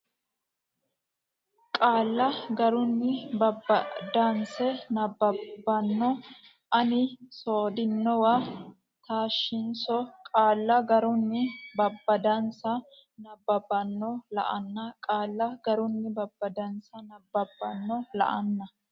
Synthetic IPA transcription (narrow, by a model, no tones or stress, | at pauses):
kʼaːlːɐɡɐɾʊnːɪbɐbːɐd̪ɐnsɛnɐbːɐbːɐnːɔ | ʔɐnɪsoːd̪ɪnːɔwa | t̪aːʃːɪnsɔkʼaːlːɐɡɐɾʊnːɪbɐbːɐd̪ɐnsɐ | nɐbːɐbːɐnːɔlɐ̰ʔɐnːɐkʼaːlːɐɡɐɾʊnːɪbɐbːɐd̪ɐnsɐnɐbːɐbːɐnːɔlɐ̰ʔɐnːɐ